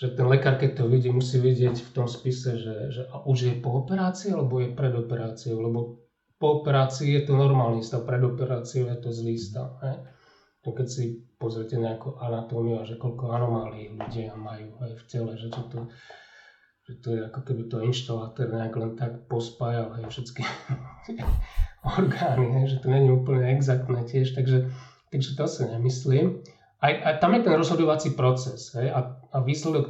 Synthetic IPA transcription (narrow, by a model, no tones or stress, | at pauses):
ʒ̥ɛt̪ɛnlɛkaːɾkɛc̚t̪ɔʋiɟiːmusiːʋiɟɪɛcft̪ɔmspisɛʒɛʒɛʔaʔuʒjɛpɔːpɛɾaːt͡siːalɛbɔjɛpɾɛd̪ɔpɛɾaːt͡siɔʊlɛbɔ | pɔːpɛɾaːt͡siːjɛt̪ɔnɔɾmaːlnist̪apɾɛd̪ɔpɛɾaːt͡siɔʊɛt̪ɔzlist̪a̰ɦɛj | ʒɛkɛcsipɔzɾɛcɛɲɛakuʔanat̪ɔːmiʊaʒɛkɔʎkɔanɔmaːliːɣluɟiamajuːajfcɛlɛʒɛt͡ʃɔt̪ɔ | ʒ̥ɛt̪ɔjɛakɔkɛbit̪ɔinʃt̪alaːt̪ɛɾɲɛaklɛnt̪akpɔspaːjalɦɛjfʃɛt͡skit̪ɛɔɾɡaːniɦɛjʒɛt̪ɔɲɛɲiuːpl̩ɲɛɛɡzak̚t̪nɛːcɪɛʃt̪aɡʒɛ | t̪aɡʒɛt̪ɔsiɲɛmisliːm | ajʔat̪amjɛt̪ɛnɾɔzɦɔd̪ɔʋat͡sipɾɔt͡sɛsɦɛjaaʋiːslɛd̪ɔk